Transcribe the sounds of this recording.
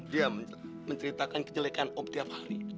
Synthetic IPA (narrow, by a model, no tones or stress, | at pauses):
dia | məɲt͡ʃəɾit̪akankəd͡ʒəlekanop̚t̪iap̚haɾi